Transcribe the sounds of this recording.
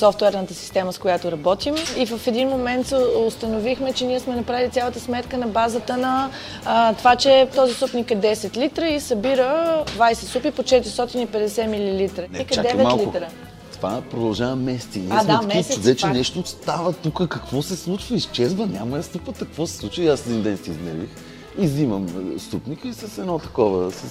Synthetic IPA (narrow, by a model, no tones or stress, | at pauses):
sɔft̪ʊɛɾnət̪əsi̥st̪ɛməskojat̪oɾɐbɔt̪imivəfɛd̪inmomɛnt̪sɛost̪ənovixmɛt͡ʃɛniɛsmɛnɐpɾavilit̪sʲalˠət̪əsmɛt̪kənɐbazət̪ənɐ | t̪ovat͡ʃɛt̪ɔzisupnikɛd̪ɛsɛt̪lit̪ɾəisɐbiɾəd̪vajsɛt̪supipot͡ʃɛt̪ɪɾist̪ɔt̪inipɛd̪ɛsɛmililit̪ɾəikɛad̪ɛvɛtmalˠklit̪ɾə | t̪ovapɾod̪ɐlˠʒavəmɛst̪inad̪ɛmɛit͡ʃ̪d̪ɛt͡ʃɛnɛʃt̪ost̪avət̪ukəkɐkvɔsɛslˠut͡ʃvəist͡ʃɛzvənʲamɐast̪upət̪ɐkvɔsɛ̥sˠut͡ʃvəiasɛd̪ind̪ɛnsɛiznɛ̰vix | iziməmst̪upnʲikəisəsɛd̪nɔt̪ɐkɔvəs